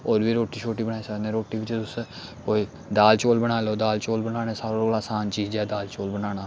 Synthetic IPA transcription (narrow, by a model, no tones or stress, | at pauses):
oːɾʋiːɾoːʈiːt͡ʃʰoːʈiːbəɽaːiːsəknẽːɾoːʈiːʋɪt͡ʃt̪ʊskoːiː | d̪aːlt͡ʃoːlbəɽ̃aːloːd̪aːlt͡ʃoːlbənaːɽeːsaːoolaːsaːnt͡ʃiːd͡ʒɛːd̪aːlt͡ʃoːlbənaːñaː